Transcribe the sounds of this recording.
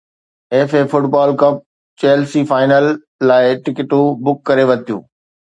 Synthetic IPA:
eːfeːfʊʈbaːlkɐp̚ | t͡ɕeːlsiːfaːɪnəlː | aːɪʈɪkɪʈũbʊkːɐɾeʋɐt̪ʰijṵ̃ː

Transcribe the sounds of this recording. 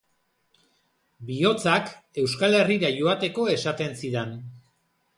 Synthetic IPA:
bio̞t͡sake̞wskale̞riɾaʝo̞at̪e̞ko̞e̞sat̪e̞nsiɾen

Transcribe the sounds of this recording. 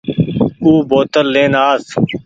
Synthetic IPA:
uːboːt̪əlːeːnaːs

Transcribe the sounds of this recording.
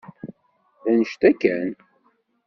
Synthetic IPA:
ðænəʃt̪ækːæn

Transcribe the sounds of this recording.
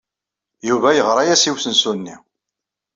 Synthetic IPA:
juvæjəʁɾˤɑjæsiwsənsunːi

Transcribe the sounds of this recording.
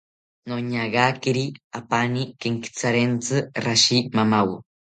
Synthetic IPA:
noɲaɣakiɾiapanikeŋki̥t͡saɾent͡sɨraʃimamaw

